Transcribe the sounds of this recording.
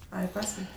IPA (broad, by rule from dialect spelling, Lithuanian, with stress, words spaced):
ˈɐɪ ɪ ˈpɑːsʋɐlʲ